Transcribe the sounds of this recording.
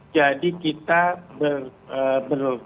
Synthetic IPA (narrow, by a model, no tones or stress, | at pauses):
d͡ʒadikit̪abərəbər